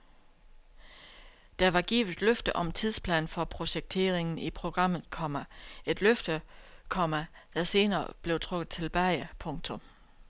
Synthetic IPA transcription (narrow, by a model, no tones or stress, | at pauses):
d̥æʋɑ̈ɡ̥ḭːʊð̩̥ˠløfd̥əʔɒ̽mt͡sʰið̞ˠspʰlɛ̰ːnfɒ̽pʰʁo̝ɕeɡ̥̚t͡sʰe̝̰ːɐʁe̝ŋn̩ipʰʁo̝ɡ̥ʁɑ̈m̰ð̩ˠkʰɒ̽mæe̝d̥løfd̥əkʰɒ̽mæ | d̥æse̝ːnɐ̰ːb̥le̝ʊt͡sʰʁɔ̽ɡ̥ð̩ˠt͡sʰe̝lb̥æɪəpʰɔ̽ŋt͡sʰɔ̽m